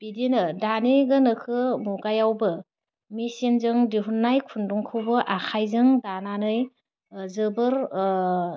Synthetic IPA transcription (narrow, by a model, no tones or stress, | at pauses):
b̥idinɯdaniɡɯnɯkʰɯmuɡajawbɯ | misinzɯŋdiɦunːajkʰunduŋkʰɯwbɯʔakʰajzɯŋdananɯj | zɯbɯɾ